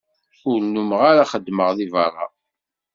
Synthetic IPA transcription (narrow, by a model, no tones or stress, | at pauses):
ʊɾnːuməʁaɾaχəd̪ːməʁðivɑrˤɑ̰